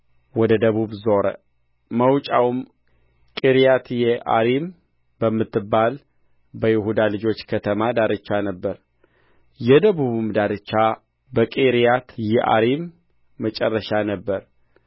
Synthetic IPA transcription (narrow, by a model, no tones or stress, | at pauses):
wɔd̪əd̪əβuβzo̞ɾə̰ | məwt͡ʃʼawm | kʼiɾijat̪jɛʔa̰ɾim | bəmːɨt̪ːɨbːal | bəjɪhud̪alɨd͡ʒo̞t͡ʃːkʰət̪ʰəmad̪aɾɨt͡ʃːanəbːəɾ | jɛd̪əβuβumd̪aɾɨt͡ʃːa | bəkʼiɾijat̪jɛʔa̰ɾimː | ət͡ʃʼɛrːəʃanəbːəɾ